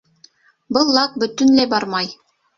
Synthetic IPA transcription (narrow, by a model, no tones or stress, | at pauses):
bɤlˠːɑk̚bɵ̆t̪ɵ̆nlæjbɑɾmɑj